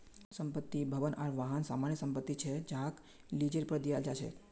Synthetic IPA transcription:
səmpət̪ːibʱəʋənaɾʋaɦənsamaɳjəsəmpət̪ːit͡ʃʰed͡ʒak | lid͡ʒəɾpɾəd̪ijald͡ʒat͡ʃʰḛ

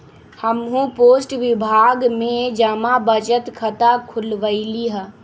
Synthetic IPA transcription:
həmɦũpoːsʈʋɪbʱaːɡmẽd͡ʒamabət͡ʃət̪kʰət̪akʰʊlʋəiliɦə

